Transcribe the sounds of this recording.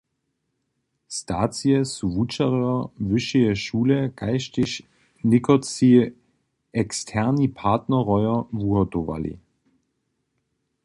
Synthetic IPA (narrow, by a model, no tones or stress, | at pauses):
stʰaːt͡siəsuvut͡ʃaʁøɐvʏʃiəʃuːləɡ̥aɪʃtɪʃ | nɪkʰot͡si | ɛkstʰɛɐnipʰaɐtnɐʁɔʏɐvuɐdova̰lḭ